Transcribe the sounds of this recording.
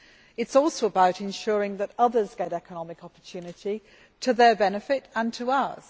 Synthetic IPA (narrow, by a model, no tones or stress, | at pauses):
ɪtsɔˑlˠsoʊəbaʊɾɪ̃nʃʊːɹɪ̃ŋðətʌðəzɡɛɾɛkʰənɒmɪkɒpə˞tʰʉːnɪti | tʰəðəbɛnɪfɪtə̃ntʰəʌz̥